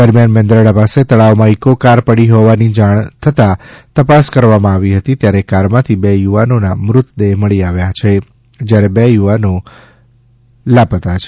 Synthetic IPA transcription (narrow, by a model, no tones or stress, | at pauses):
d̪əɾmjanmɛ̃nd̪ɾəɽapaset̪əɭaʋmãikokaɾpəɽiɦoʋanid͡ʒaɳ̃t̪ʰət̪at̪əpaskəɾʋamãaʋiɦət̪it̪jaɾekaɾmãt̪ʰibejuʋanonamɾʊt̪d̪eɦməɭiaʋjat͡ʃʰe | d͡ʒjaɾebejuʋano | lapət̪at͡ʃʰe